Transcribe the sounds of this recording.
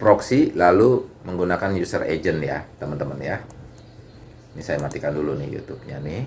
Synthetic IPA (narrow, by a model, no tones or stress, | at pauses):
pɾoksilaluməŋɡunakanjusərḛd͡ʒənja̰t̪əmənt̪əmənja | nisajamat̪ikandulunɪ̰hjṵt̪up̚ɲanɪ